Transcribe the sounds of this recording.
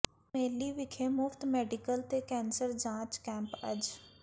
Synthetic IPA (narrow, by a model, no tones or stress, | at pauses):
meːliːʋɪkʰeːmʊft̪mɛːɖɪkəlt̪eːkɛ̃ːnsəɾd͡ʒãːt͡ʃkɛ̃ːmpə̰d͡ʒ